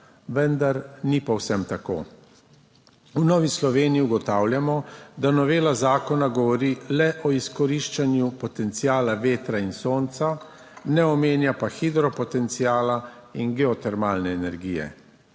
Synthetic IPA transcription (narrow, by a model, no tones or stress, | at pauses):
ʋɛnd̪aɾnipɔwsɛmt̪ako̰ː | unɔːʋislɔʋeːniiuɡɔt̪aːwljamɔd̪anɔʋeːlazaːkɔnaɡɔʋɔɾilɛʔɔiskɔɾiʃt͡ʃanjupɔt̪ɛnt̪sijaːlaʋeːt̪ɾainsoːnt̪sa | nɛɔmeːnjapaxid̪ɾɔpɔt̪ɛnt̪sijaːlainɡɛɔt̪ɛɾmaːlnɛːnɛɾɡiːjɛ̰